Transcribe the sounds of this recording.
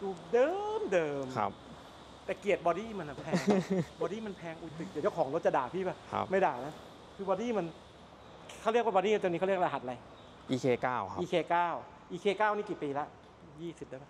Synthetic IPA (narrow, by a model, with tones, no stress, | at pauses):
duː˧˩dɤː˧mdɤː˧mkʰa̰˦p̚ | t̪ɛː˨˩ki˨˩ət̪̚bɔː˧ɾiː˥˩ma˧na˨˩pʰɛː˧ŋbɔː˧ɾiː˥˩ma˧npʰɛː˧ŋʔu˧˩t̪ɯ˨˩d̪t͡ɕa˥˩kʰːŋlo˦˥t̪̚t͡ɕa˨daː˨˩pʰiː˥˩baː˧˩kʰa̰˦˧ma˥˩daː˨˩na˦˥ | kʰɯː˧bɔː˧diː˥˩ma˧n | kʰa˥˩wɾi˥˩k̚waː˧˩bɔː˧niː˥˨˧o˧ni˦˥kʰa˥˩˨i˥ə˦k̚a˧ɦa˨˩t̪̚la˧j | ʔiː˧kʰeː˧kaː˥˩wʰa˦ʔiː˧kʰeː˧kaː˥˩w | ʔiː˧kʰeː˧kaː˥˩wniː˦˥˩ki˨˩piː˧la˦˥ʔ | jiː˥˩si˨˩daː˧˥˩ma˦˥˩